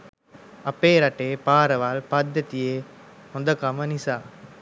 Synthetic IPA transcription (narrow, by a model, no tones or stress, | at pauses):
ɐpːeːɾɐʈːeːpaːɾɐʋaːlpɐd̪ːɐt̪ijeː | ɔnd̪ɐkɐmɐnisaː